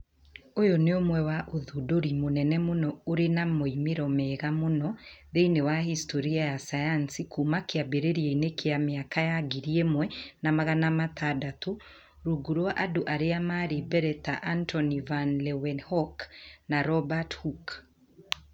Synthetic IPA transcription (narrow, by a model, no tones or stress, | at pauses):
ojɔneomwɛwaʔoðudoɾimonɛnɛmonɔoɾenamoimeɾɔmɛɣamonɔðeinewahistʰɔɾiajasajansikumakeabeɾeɾieinekʰeameakajaɡiɾiemwɛnamaɣanamatadato | ɾuɡuɾwoaʔadoʔaɾeamaɾibɛɾɛtaʔantʰɔnivanlɛwɛnhɔknaɾɔbathuk